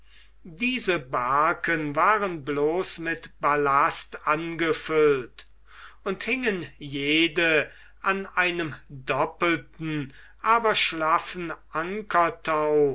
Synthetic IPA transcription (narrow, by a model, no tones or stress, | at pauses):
diːzəbaɐkʰənvaːʁənbloːsmɪtb̥alastʔanɡəfʏlt | ʊnthɪŋənjeːdə | ʔanʔaɪnəmdɔpəl̩tn̩ | ʔaːbɐʃlafn̩ʔaŋkʰɐtʰaʊ